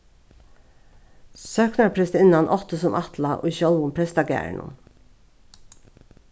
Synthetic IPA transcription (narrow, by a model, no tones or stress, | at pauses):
søːknɑpʰɾɛsɪnɑnʔɔt̪əsɔmʔɑt̪lɑʔo̰ːçɔlʊmpʰɹɛst̪ɑɡæ̰ːɳʔʊ̰m